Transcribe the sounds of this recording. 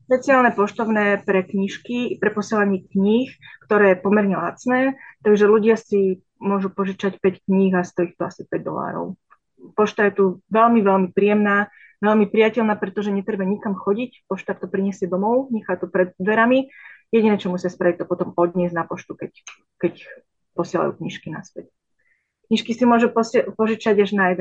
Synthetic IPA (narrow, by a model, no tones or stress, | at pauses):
ʃpɛt͡siaːlnɛpɔʃt̪ɔʊnɛːpɾɛkɲiʃkipɾɛpɔsɪɛlaɲɪɛkɲiːxkt̪ɔɾɛːjɛpɔmɛɾɲɛla̰t͡snɛːt̪aɡʒɛluɟɪasi | mʊɔʒupɔʒit͡ʃacpɛckɲiɣast̪ɔixt̪ɔasipɛɟ̚d̪ɔ̰la̰ːɾɔ̰ʊ | pɔʃt̪ajɛt̪uʋɛlmiʋɛlmipɾijɛmnaː | ʋɛlmipɾijacɛʎnaːpɾɛt̪ɔʒɛɲɛt̪ɾɛbaɲikamxɔɟicpɔʃt̪akt̪ɔpɾiɲɛsɪɛd̪ɔmɔʊɲɛxaːt̪ɔpɾɛd̪̚d̪ʋɛɾamijɛɟinɛːt͡ʃɔmusɪaspɾaʋic̚t̪ɔpɔt̪ɔmɔd̪ɲɛznapɔʃt̪ukɛc | kɛc | pɔsɪɛla̰jṵːkɲiʃkina̰spɛc | kɲiʃkisimʊɔʒupɔspɔʒit͡ʃaɟaʒnajɛd̪ɛ